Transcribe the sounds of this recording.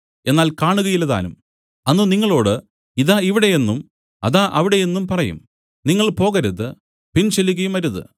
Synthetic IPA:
e̞nːaːlkaːɳuɣɐjilːɐða̰ːnum | ɐnːuniŋːɐɭo̞ːɽɨ | iðaːiʋiɽe̞je̞nːum | ɐ̰ðaːʔɐʋiɽe̞je̞nːumpɐrɐjṵm | niŋːɐɭpo̞ːɣɐɾuðɨ | pint͡ɕelːuɣɐjumɐɾuðɨ̰

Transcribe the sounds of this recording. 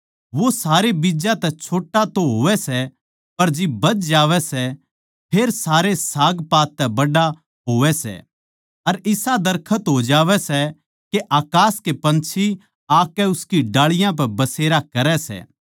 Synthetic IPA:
ʋosaːɾebid͡ʒãt̪ɛt͡ʃʰoːʈːat̪oɦoːʋɛsɛ | pɐɾd͡ʒɪbɐt͡ʃd͡ʒaːʋɛsɛ | pʰeːɾsaːɾesaːɡpaːt̪ːɛbɐɖa | ɦoːʋɛsɛ̰ | ɐɾɪsad̪ɐɾkʰət̪ɦod͡ʒaːʋɛsɛ | keʔaːkaːskepɐ̃nt͡ʃʰi | aːkːɛʊskiɖaːɭɪjãp̬ɛbɐseːɾakɐɾɛsɛ̰ː

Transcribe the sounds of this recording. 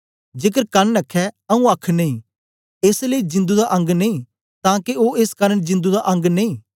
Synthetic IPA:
d͡ʒeːk̬əɾkɐnːɐkʰːɛɐũaːkʰneĩː | eːsləid͡ʒɪ̃nd̪ud̪aʔɐ̃ŋɡnɐĩ | t̪ãːkeoːeskaːɾənd͡ʒɪ̃nd̪ud̪aʔɐ̃ŋɡneĩː

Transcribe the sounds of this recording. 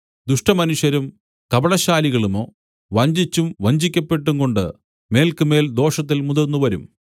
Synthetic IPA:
d̪uʂʈɐmɐnuɕɐɾum | kɐbɐɭɐɕaːliɣɐɭumoː | ʋɐɲd͡ʑit͡ɕːumʋɐɲd͡ʑikʲːɐpːe̞ʈːuŋko̞ɳɖɨ̰ | me̞ːlkɨme̞ːld̪o̞ːʂɐt̪ːilmuðɐrnːuʋɐɾum

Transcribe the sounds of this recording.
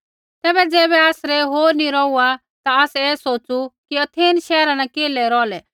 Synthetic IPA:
t̪ɛːbɛd͡zɛːbɛaːsɾɛɦoːɾnĩɾɔua | t̪aaːsɛeːsoːt͡sukiɐt̪ʰeːnʃɛːɾãnãkeːlɛɾɔːlɛ

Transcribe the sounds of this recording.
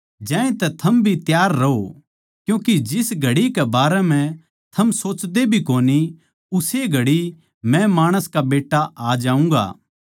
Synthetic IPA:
d͡ʒɛ̃ːẽt̪ɛt̪ʰɐmbʱit̪jaːɾːɐɦo | kjũːkid͡ʒɪsɡʱɐɽikɛbaːɾɛmɛ̃ | t̪ʰɐmsoːt͡ʃd̪ebʱikoːni | ʊseɡʱɐɽi | mɛ̃maːɽ̃əskabeːʈːaʔaːd͡ʒaːũŋɡa̰ː

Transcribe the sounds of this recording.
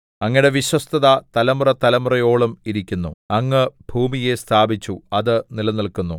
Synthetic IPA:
ɐŋːiɽe̞ʋiɕwɐst̪ʰɐðɐt̪ɐlɐmurɐt̪ɐlɐmurɐjo̞ːɭumiɾikʲːunːuɐŋːɨbʱuːmije̞st̪ʰaːbit͡ɕːuɐðɨnilɐnɐlkunːu

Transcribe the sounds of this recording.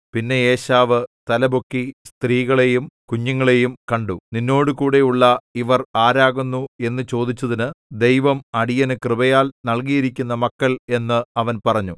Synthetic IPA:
pinːe̞eːɕaːʋɨt̪ɐlɐbokːist̪riːɣɐɭe̞jumkuɲːɐŋːɐɭe̞jumkɐɳɖuninːo̞ːɽɨkuːɽe̞uɭːɐiʋɐraːɾaːɣunːue̞nːɨt͡ɕo̞ːd̪it͡ɕːɐðinɨd̪e̞jʋɐmɐɽijɐnɨkrɨbɐjaːlnɐɭkijiɾikʲːunːɐmɐkːɐle̞nːɨɐʋɐnpɐrɐɲːu

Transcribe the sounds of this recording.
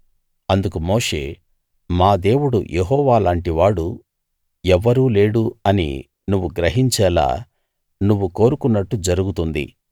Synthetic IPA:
ɐnd̪ukumo̞ːʂe̞̰ː | maːd̪e̞ːwuɽṵjʔeɦɔːʋaːlaːɳʈiʋaːɽu | ɛʋːɐɾuːle̞ːɽuɐnḭ | nuʋːuɡɾɐɦiɲt͡ʃɛːla̰ː | nuʋːuko̞ːɾukunːɐʈːud͡ʒɐɾuɡut̪und̪ḭ

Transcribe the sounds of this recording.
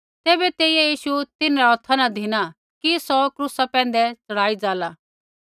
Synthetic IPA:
t̪ɛːbɛt̪eːiajiːʃut̪ɪnɾaɦɔt̪ʰanad̪ʱɪna | kisɔkɾusapɛ̃ːn̆d̪ɛt͡sɐɽ̤aːid͡zaːla

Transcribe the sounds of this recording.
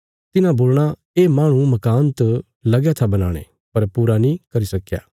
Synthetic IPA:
t̪ɪnãboːlɽ̃a | eːmãːɽ̃ũmɐkaːnt̪ | lɐɡjat̪ʰabɐna̰ːɽ̃ḛ | pɐɾpuːɾanĩkɐɾisɐkːja̰ː

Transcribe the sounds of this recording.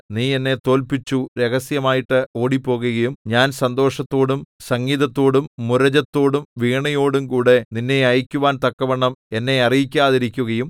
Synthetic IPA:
niːe̞nːe̞t̪o̞ːlpit͡ɕːuɾe̞ɣɐsjɐmaːjiʈːɨo̞ːɽipːo̞ːɣuɣɐjumɲaːnsɐnd̪o̞ːʂɐt̪ːo̞ːɽumsɐŋːiːðɐt̪ːo̞ːɽumːuɾɐd͡ʑɐt̪ːo̞ːɽumʋiːɳɐjo̞ːɽumkuːɽe̞ninːe̞ɐjikʲːuʋaːnt̪ɐkːɐʋɐɳːɐme̞nːe̞ɐrijikʲːaːðiɾikʲːuɣɐjum

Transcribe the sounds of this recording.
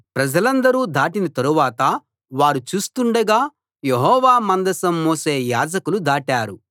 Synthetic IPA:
pɾɐd͡ʒɐlɐnd̪ɐɾuːd̪ʱaːʈinɐt̪ɐɾuʋaːt̪ɐ | ʋaːɾut͡ʃuːst̪uɳɖɐɡaː | jeɦɔːʋaːmɐnd̪ɐsɐmːoːse̞ːjaːd͡ʒɐkulud̪ʱaːʈaːɾu

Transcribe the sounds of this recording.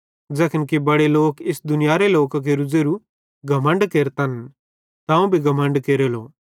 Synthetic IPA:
d͡ʒɛːkɪnkibɐɽeloːkɪsd̪ʊnɪjaːɾeloːkak̬eɾʊd͡zeɾu | ɡʱɐmə̃ɳɖkeːɾt̪ɐn | t̪ãũbʱiɡʱɐmə̃ɳɖkeːɾeloː

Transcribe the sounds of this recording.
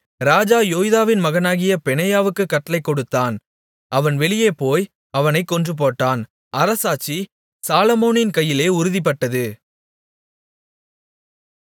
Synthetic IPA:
ɾaːd͡ʒaːjoːjðaːʋɪnmɐɣɐnaːɣɪjɐpɛnɐjaːʋɯkːɯkːɐʈːɐlɐɪkːɔɽɯt̪ːaːn | ʔɐʋɐnʋɛɭɪjeːpoːj | ɐʋɐnɐɪkːɔndrɯp̬oːʈːaːn | ʔɐɾɐsaːt͡ʃːi | saːlɐmoːnɪnkɐjːɪleːʊɾʊðɪp̬ːɐʈːɐðɯ

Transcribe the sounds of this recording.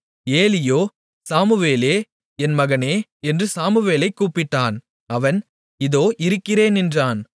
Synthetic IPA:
eːlɪjoː | saːmɯʋeːleː | ɛnmɐɣɐneːɛndrɯsaːmɯʋeːlɐɪkːuːpːɪʈːaːn | ɐʋɐn | ɪðoːʔɪɾɯkːɪɾeːnɛndraːn

